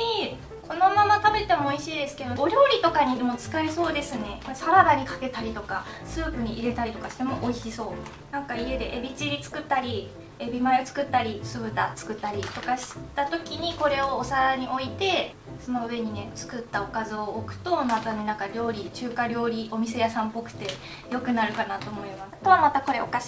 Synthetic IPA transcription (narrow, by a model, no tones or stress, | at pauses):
i | kʰo̞no̞mamat̪abe̞t̪e̞mo̞ːiɕiːd̪e̞sɨ̥ke̞d̪o̞oɾʲo̞ːɾʲit̪o̞kaɲ̟id̪emo̞t͡sɨ̥kaeso̞ːd̪e̞sɨne̞kosaɾad̪aɲ̟ikḁke̞t̪aɾʲit̪o̞ka | sɨːpɯ̟ɲ̟iʔiɾe̞t̪aɾʲit̪o̞kaɕi̥t̪emo̞ʔoiɕiso̞ː | nãŋkaie̞d̪e̞ʔebʲit͡ɕiɾʲit͡sɨ̥kɯ̟t̪ːaɾʲi | ebʲimaeot͡sɨ̥kɯ̟t̪ːaɾʲisɨbɯ̟t̪a̰t͡sɨ̥kɯ̟t̪ːaɾʲit̪o̞kaɕi̥t̪at̪o̞kʲiɲ̟iko̞ɾe̞o̞ːsaɾaɲ̟iʔo̞it̪e̞ | so̞no̞ɯ̟e̞ɲ̟ine̞t͡sɨ̥kɯ̟t̪ːaokazɨoːkɯ̟̥t̪o̞nakanenãŋkaɾʲo̞ːɾʲit͡ɕɨːkaɾʲo̞ːɾʲio̞mʲis̬e̞jasãmpo̞kɯ̟̥t̪e̞ | jo̞kɯ̟naɾɯ̟kanat̪o̞ːmo̞imast̪o̞βamat̪ako̞ɾe̞okaɕi̥